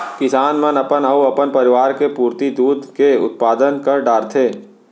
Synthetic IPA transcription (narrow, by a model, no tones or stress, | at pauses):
kɪsaːnmɐnɐpənɐuɐpənpɐɾɪʋaːɾkepuːɾt̪id̪uːd̪keʊ̰t̪̚paːd̪ənkɐɾɖaːɾt̪ʰeː